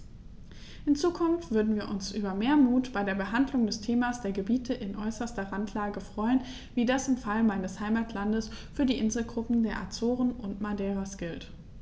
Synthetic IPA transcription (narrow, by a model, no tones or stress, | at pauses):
hɪnt͡suːkʰʊnftv̥ʏɐdn̩viːɐʔʊnsʔyːbɐmeːɐmuːtb̥aɪdeːɐbəɦandlʊŋdɛstʰeːmasd̥eːɐɡəbiːtʰəʔɪnʔɔʏsɐstɐʁantʰlaːɡəfʁ̥ɔʏən | viːdasɪmfalmaɪnəshaɪmaːtʰlandəsfyːɐdiːʔɪnzl̩ɡʁʊpm̩deːɐʔa̰t͡soːʁənʊntmadɛːʁasɡ̥ɪlt